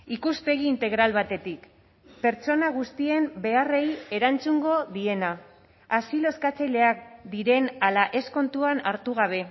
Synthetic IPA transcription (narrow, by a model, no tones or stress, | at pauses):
ikuspe̞ɣ̞iːnt̪e̞ɣ̞ɾalβat̪e̞t̪ik | pe̞ɾt͡so̞naɣ̞ust̪ie̞mbe̞are̞je̞ɾant͡suŋɡo̞ðie̞naː | silo̞skat͡sejle̞ak̚d̪iɾe̞nalaʔe̞sko̞nt̪uanaɾt̪uɣ̞aβ̞e̞